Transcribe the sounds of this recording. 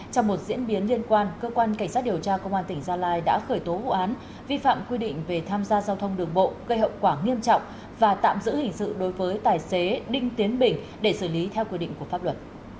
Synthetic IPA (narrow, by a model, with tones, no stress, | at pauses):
t͡ɕɔ˧wŋ͡mmo˨˩t̚zḭ˧˥ənɓi˨˦ənli˧ənkwaː˧nkəː˧kwaː˧nkŋ̟sa˦˥t̚ɗi˨˩əwt͡ɕaː˧kə˧wŋ͡mʔaː˧nt̪ï˧˩ŋ̟zaː˧laː˧jɗa̰ː˧˥xəː˧˩jt̪o˨˦vṵ˧˨ʔaː˨˦n | vi˧fa̰ː˧˨mkwi˧ɗḭ̈˧˨ŋ̟ve˨˩t̪ʰaː˧mzaː˧zaː˧wt̪ʰə˧wŋ͡mɗɨ˨˩əŋɓo̰˧˨ɣə˧jɦə̰˧˨wkwaː˧˩ŋi˧əmt͡ɕɔ̰˧˨wŋ͡m | vaː˨˩t̪a̰ː˧˨mzɨ̰˧˥hï˨˩ŋ̟sɨ̰˧˨ɗo˨˦jvəː˨˦jt̪aː˨˩jse˨˦ɗï˧ŋ̟t̪i˨˦ənɓï˨˩ŋ̟ | ɗe˧˩sɨ˧˩li˨˦t̪ʰɛ˧wkwi˧ɗḭ˧ŋku˧˩faː˦˥p̚lwə˨˩t̚